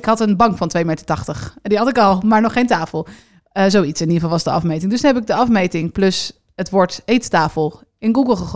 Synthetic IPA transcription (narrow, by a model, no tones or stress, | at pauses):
ɪkɦɑtənbɑŋkfɑntʋejmejtətɑχtəχdiɦɑtɪkɑlˠmaːɹnɔχːejntaːfəlˠ | əzowitsɪnivɑlˠʋɑzdəɑ̰fmejtɪŋdɵsnɦɛp̬ɪɡ̚dəɑfmejtɪŋplɵs | ətʋɔɹtejttaːfəlˠ | ɪnɡuɡəlˠχəχ